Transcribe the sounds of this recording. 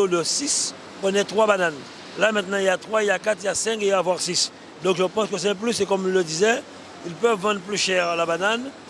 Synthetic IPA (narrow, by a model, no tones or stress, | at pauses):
od̪əsis | pʁənɛt̪χwabanan | lamɛ̃t̪nɑ̃iljat̪χwailjakat̪iljasɛ̃keiavwaʁsis | d̪ɔ̃kʒəpɑ̃skəs̬ɛɛ̃p̬lysekɔmilːəd̪izɛ | ilpœvːɑ̃d̪ʁplyʃɛʁlabanan